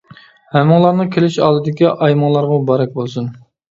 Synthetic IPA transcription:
hɛmːɨŋlˠɑɾnɨkʲʰelɪʃɑ̰ːlˠɨd̪ɪkʲiʔɑjmɑŋlˠɑɾʁɑbɑɾɛk̚ʲbolˠsun

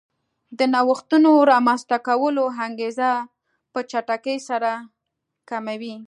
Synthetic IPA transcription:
d̪ənɑwəxt̪unoɾɑmanst̪akawəloɦaŋɡeza | pət͡ʃaʈakəjsaɾa | kamawi

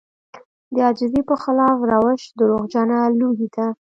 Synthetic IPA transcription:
d̪əɑd͡ʒɪzipəxɪlɑfɾawəʃd̪əɾoɣd͡ʒanaluɡit̪a

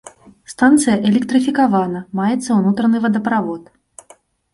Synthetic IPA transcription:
st̪ant̪sɨjɐʔɛlʲɛkt̪ɾɨfʲikavanɐmajɛt̪sːɐunut̪ɾɐnɨvɐd̪ɐpɾavɔt̪

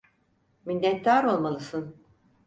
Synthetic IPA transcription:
minʲːɛt̪ːaːɾo̞lˠmalˠɯsɯn

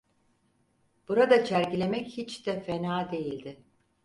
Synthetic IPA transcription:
b̥uɾad̪at͡ʃʰæɾcilʲe̞mɛchit͡ʃd̪ɛfenaːd̪e̞jilʲd̪ɪ

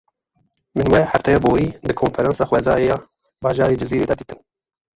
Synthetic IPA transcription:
mɨnwɛħæft̪ʰɛjɑboːwiːd̪ɨkʰonfɛɾɑnsɑːxwɛzɑːjejɑː | bɑːʒɑːɾid͡ʒɨziːɾeːd̪ɑːd̪iːt̪ɨn

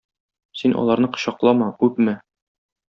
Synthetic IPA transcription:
sinʔɒ̰lˠɑɾnɤqɤ̥̆ɕɑqlˠɑmɑkʉpmɘ

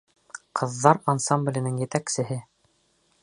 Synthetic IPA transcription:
qʰɤ̆ðːɑɾɐnsɑmblʲɘ̆nɘŋjɘ̆t̪æksɘ̆ɦɘ

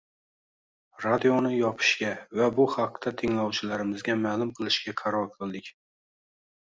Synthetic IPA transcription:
ɾad̪ionɪjɒpʰɪ̥ʃkʲavabʊhɑq̚t̪ʰat̪ʰɪŋlˠɒwt͡ʃʰɪlaɾɪmɪzɡʲamalˠʊmqʰɨlˠɪʃkʲaqʰɑɾɒɾqʰɨlˠd̪ɪkʲ

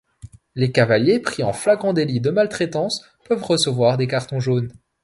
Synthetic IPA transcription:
lekavaljepχiɑ̃flaɡʁɑ̃d̪elid̪əmalt̪χɛt̪ɑ̃s | pœvʁəsəvwaʁd̪ekaʁt̪ɔ̃ʒon

